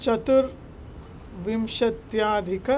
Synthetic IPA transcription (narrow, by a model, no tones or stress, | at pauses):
t͡ʃɐt̪uɾ | ʋimʃɐt̪jaːd̪ʱikɐ